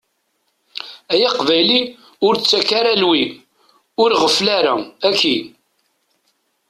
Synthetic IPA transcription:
æjaqvæjli | ʊɾt͡sːækːaɾalwi | ʊɾʁəflaɾæ̰ækːi

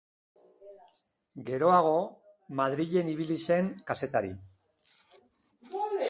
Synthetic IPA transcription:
ɡe̞ɾo̞aɣ̞o̞ | maðɾiʎe̞niβilise̞ŋkase̞t̪aɾḭ

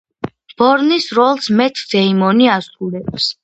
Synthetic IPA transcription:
b̥ɔɾnisɾɔlˠsmɛt̪ʰd̪̥ɛimɔniasulɛps

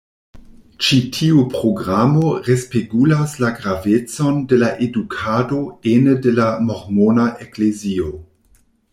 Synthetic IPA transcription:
t͡ʃitʰiupʁoɡʁamoʁespeɡulaslaɡɾavet͡sondelaʔedukʰadoenədelamoʁmonaʔeklezio

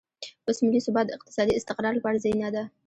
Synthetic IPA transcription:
ʊsmɪlːisʊbɑt̪ɪq̚t̪ʰɪ̥sɑd̪iɪst̪ɪqɾɑɾbɑɾzajnad̪ə

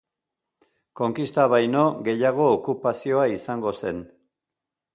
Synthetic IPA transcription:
ko̞ŋkist̪aβ̞ajno̞ɣe̞jaɣo̞ːkupasio̞aisaŋɡo̞se̞n

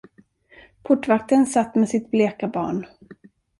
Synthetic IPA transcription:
pʰʊʈːvak̚t̪ənsat̪ːmɛsɪt̪̚bleːkabɑ̰ːɳ

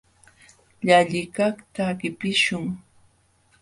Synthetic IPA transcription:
ʎaʎɪkaχt̪aɢɪpɪʃʊŋ

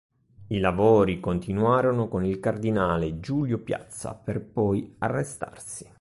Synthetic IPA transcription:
ilavoːɾikont̪inuaːɾonokonilkard̪inaːled͡ʒuːljopja̰t̪sːa̰perpɔja̰rːest̪a̰rsi̥

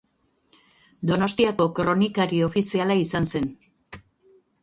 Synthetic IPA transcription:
d̪o̞no̞st̪iako̞kɾo̞nikaɾio̞fisialaisanse̞n

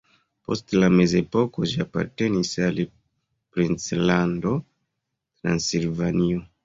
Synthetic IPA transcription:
po̞̰stlame̞ze̞po̞ko̞d͡ʒiapa̰ɾte̞nisali | pɾint͡slando | tɾa̰nsilvanio

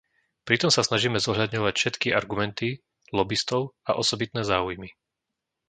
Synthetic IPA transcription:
pɾit̪ɔmsasnaʒiːmɛzɔɦlʎad̪ɲɔʋacfʃɛt̪kiaɾɡumɛnt̪i | lɔbist̪ɔʊaʔɔsɔbit̪nɛːzaːujmi

